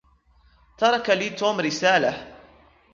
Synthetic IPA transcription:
t̪ɑɾˤɑkaliːt̪uːmɾɪsaːla

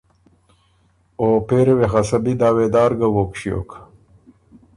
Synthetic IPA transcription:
oːpeːɾwexɐsɐbid̪aːweːd̪aːɾɡawoːkɕjo̰ːk

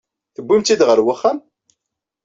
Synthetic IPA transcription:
θəbːimt̪ːid̪ʁəɾwəχːæm

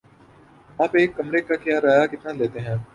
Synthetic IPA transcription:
aːpeːkːɐmɾekakjaːɾaːjakɪt̪naleːt̪eɦɛ̃ː

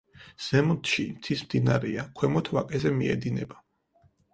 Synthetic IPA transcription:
z̥ɛmɔnt̪ʰʃimt̪sʰismd̪inaɾɛakʰwɛmɔt̪ʰvakʼɛzɛmiɛ̰d̪inɛba

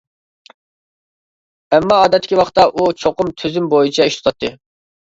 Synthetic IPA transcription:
ɛmːɑːd̪ɛt̪ʰːɪ̥kʲiwɑχt̪ːɑʔut͡ʃʰoqʊmt̪ʰyzymbojit͡ʃʰɛiʃt̪o̥t̪ʰɑt̪ʰːɨ

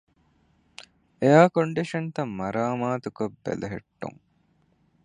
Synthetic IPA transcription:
ejaːkoɳɖiʂɐnt̪ɐmːɐɾaːmaːt̪ukobːḛlɐɦḛʈːṵŋ

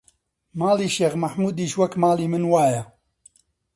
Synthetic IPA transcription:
maːliːʃeːɣmɐħmuːd̪iːʃwɐkmaːliːmɨnwaːjɐ

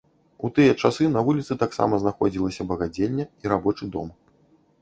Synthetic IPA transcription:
ut̪ɨjɐt͡ʂasɨnɐvulʲit̪sɨt̪aksa̰mɐznaxɔd͡zʲilˠɐsʲɐbɐɣad͡zʲelʲːɐiɾabɔt͡ʂɨd̪ɔ̰m

